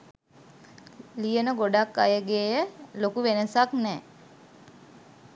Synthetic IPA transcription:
lijənəɡoɖakːajəɡeːjəlokuʋenəsaknɛː

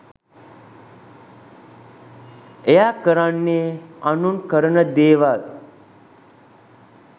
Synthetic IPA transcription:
ejakəɾanːeːanunkəɾənəd̪eːʋal

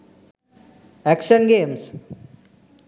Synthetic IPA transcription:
ækʃənɡeːms

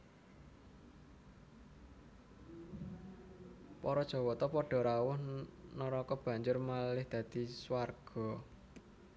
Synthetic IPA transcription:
pɔɾɔd̥ʒ̥ɔ̤wɔt̪ɔpɔɖ̥ɔ̤ɾawʊhnɔɾɔkɔb̥ä̤ɲd͡ʒʊrmalɪhd̪̥ä̤d̪̥i̤swarɡ̥ɔ̤

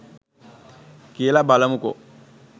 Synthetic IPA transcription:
kelabaːlamuko̰

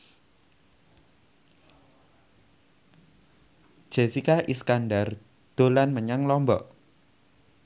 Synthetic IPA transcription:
d͡ʒ̥e̤sikaʔiskandar | d̪̥o̤lanməɲaŋlɔmbɔʔ

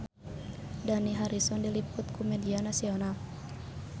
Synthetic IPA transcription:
daniɦaɾisɔndilipʊt̪̚kumɛdianasiɔnal

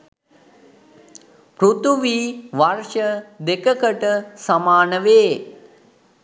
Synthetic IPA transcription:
pɾut̪uʋiːʋarʃəd̪ekəkəʈəsamaːnəʋeː

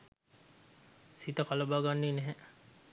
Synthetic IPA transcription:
sit̪əkaləbaːɡanːinɛɦɛ

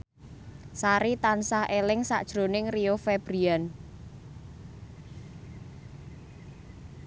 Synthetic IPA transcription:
saɾit̪ansahelɪŋsa̰ʔd̥ʒ̥ɾo̤nɪŋriofeb̥ɾian

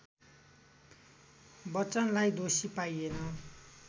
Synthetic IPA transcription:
bʌt͡sʌnlajd̪osipaienʌ

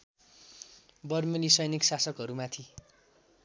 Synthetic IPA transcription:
bʌrmʌnisʌjniksasʌkɦʌɾumat̪ʰi

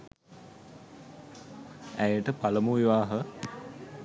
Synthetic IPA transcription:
æjəʈəpaləmuiʋaːɦə

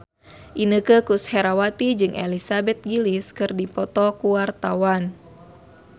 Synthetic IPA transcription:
ʔinəkəkushɛɾawat̪id͡ʒɨŋʔelisabɛt̪̚ɡiliskɨrdipɔt̪ɔkuwart̪awan

